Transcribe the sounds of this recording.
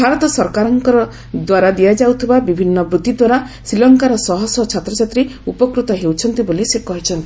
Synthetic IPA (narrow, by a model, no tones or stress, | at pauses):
bʱaɾɔt̪ɔsɔɾkaɾɔŋkɔɾɔ | d̪waɾad̪ijad͡ʒawt̪ʰibabibʱinːɔbɾud̪id̪waɾa | sɾilɔŋkaɾɔsɔɦɔsɔt͡ʃʰat̪ɾɔt͡ʃat̪ɾeupɔkɾut̪ɔɦewt͡ʃʰɔnt̪ibolisekɔɦit͡ʃʰɔnt̪i